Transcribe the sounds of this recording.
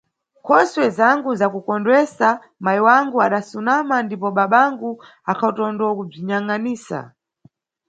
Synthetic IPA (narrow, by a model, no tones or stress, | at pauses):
kʰɔswɛzaŋɡuzakukɔndwɛsa | majiwaŋɡuaɗasunamandipɔɓaɓaŋɡu | akʰautɔndɔkub͡ʐiɲaŋaniːsa̰